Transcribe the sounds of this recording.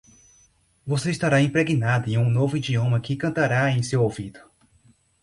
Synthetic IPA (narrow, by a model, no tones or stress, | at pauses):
voseist̪aɾaẽpɾeɡinad̪ʊẽj̃ũnovʊid͡ʒiõmɐkɪkɐ̃nt̪aɾaẽj̃sewowvid̪ʊ